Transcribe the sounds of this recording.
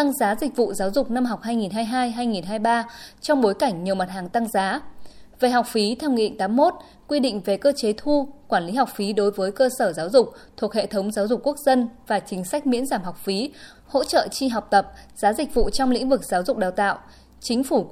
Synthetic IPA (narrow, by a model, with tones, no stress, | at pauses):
t̪a˧ŋzaː˨˦zï˨˩k̟̚vṵ˧˨zaː˨˦wzʊ˨˩k͡p̚na˧mɦa˨˩wk͡p̚haː˧jŋi˨˩nɦaː˧jɦaː˧jɦaː˧jŋi˨˩nɦaː˧jɓaː˧t͡ɕɔ˧wŋ͡mɓo˨˦jka˧˩jŋ̟ɲi˨˩əwma˨˩t̚haː˨˩ŋt̪a˧ŋzaː˨˦ve˨˩ɦa˨˩wk͡p̚fi˨˦t̪ʰɛ˧wŋḭ˧˨ŋt̪aː˨˦mːo˦˥t̚ | kwi˧ɗḭ˧˨ŋ̟ve˨˩kəː˧t͡ɕe˨˦t̪ʰu˧kwaː˧˩nli˨˦ɦa˨˩wk͡p̚fi˨˦ɗo˨˦jvəː˨˦jkəː˧səː˧˩zaː˨˦wzʊ˨˩k͡p̚ | t̪ʰu˨˩əkhḛ˧˨t̪ʰə˨˦wŋ͡mzaː˨˦wzʊ˨˩k͡pkːu˦˥ək̚zə˧nvaː˨˩t͡ɕï˨˦ŋ̟sa˦˥k̟̚mḭ˧˥ənzaː˧˩mɦɔ˨˩wk͡p̚fi˨˦ | ho̰˧˥t͡ɕə̰ː˧˨t͡ɕi˧ɦa˨˩wk͡p̚t̪ə˨˩p̚z̥aː˨˦zï˨˩k̟̚vṵ˧˨t͡ɕɔ˧wŋ͡mlḭ˧˥ŋ̟vɨ˨˩k̚zaː˨˦wzʊ˨˩k͡p̚ɗaː˨˩wt̪a̰ː˧˨w | t͡ɕï˨˦ŋ̟fu˧˩